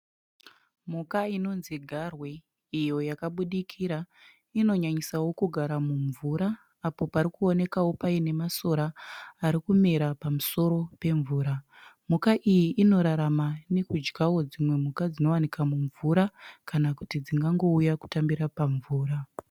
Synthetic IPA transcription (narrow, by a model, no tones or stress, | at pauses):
m̤ukaino̞nziɡʱarwe | ijo̞jakaɓuɗikʰiɾa | ino̞ɲaɲisawo̞kuɡʱaɾamuɱvuɾaː | po̞paɾikuo̞ne̞kawo̞paine̞maso̞ɾaːɾikumeɾapamuso̞ɾo̞pe̞ɱvuːɾa | m̤ukaʔijiʔːno̞ɾaɾamane̞kud͡ʒɡawo̞d͡zimwe̞m̤ukad͡zino̞wanikamuɱvuɾakanakutid͡ziŋɡaŋɡo̞ujaku̥tambiɾapaɱvuːɾa